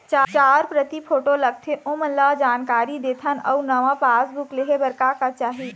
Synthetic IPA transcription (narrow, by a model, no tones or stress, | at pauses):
t͡ʃat͡ʃaːɾpɾət̪ipʰoːʈolɐk̚t̪ʰeʔʊ̃məlad͡ʒaːnkaːɾid̪eːt̪ʰənɔ̰ːʊnɐʋãpaːsbukleɦebɐɾkakat͡ʃaːɦi